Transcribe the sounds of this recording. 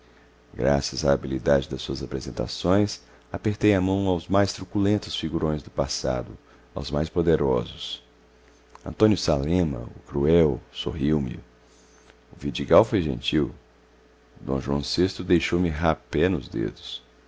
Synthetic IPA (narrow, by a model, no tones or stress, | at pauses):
ɡɾa̰sɐzaːbilid̪ad͡ʒɪd̪ɐsuɐzapɾezẽnt̪a̰sõj̃s | apeɾt̪ejamɐ̃w̃awzmajst̪ɾukulẽnt̪ʊsfiɡuɾõj̃zd̪ʊpasa̰d̪ʊ | awzmajspod̪eɾɔzʊs | ɐ̰̃t̪õnjʊsalẽmɐ̰ʊ̰kɾuɛwsoɦiwmɪ̰ | ʊvid͡ʒiɡawfojʒḛ̃nt͡ʃiw | d̪õ̰ʒuɐ̰̃w̃sest̪ɾʊd̪ejʃowmɪɦapɛnʊzd̪ḛd̪ʊs